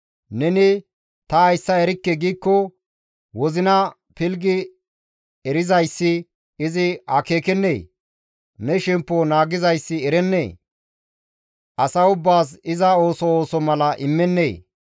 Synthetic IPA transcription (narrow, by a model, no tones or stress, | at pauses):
nɛnɪ | t̪ɐːjsːɐɛɾɪkːɛɡiːkːɔ | wɔzɪnɐ | pɪlɡɪ | ɛɾɪzɐjsːɪ | ɪzɪɐke̞ːkɛnːḛː | nɛʃɛmpːonaːɡɪzɐjsːɪɛɾɛnːḛː | ʔɐsɐʊbːaːs̬ɪzɐo̞ːsɔoːsɔmɐlɐʔɪmːɛnːeː